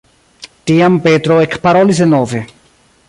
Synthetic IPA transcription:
t̪iampet̪ɾoekʰpaɾolisenove

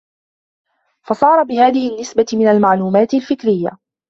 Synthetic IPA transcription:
fɑsˤɑːɾˤɑbɪhaːðɪhɪnːɪsbamɪnalmaʕluːmaːt̪ɪlfɪkɾɪjːa̰

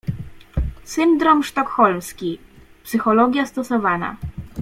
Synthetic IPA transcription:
sɘnd̪ɾɔmʂt̪ɔkxɔlmskʲi | psɘxɔlɔɡʲjast̪ɔsɔvana̰

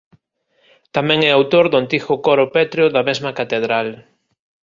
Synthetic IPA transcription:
t̪amɛ̃ŋɛawt̪oɾðʊant̪ixʊkɔɾopɛt̪ɾjoðɐmezmɐkat̪eð̞ɾal

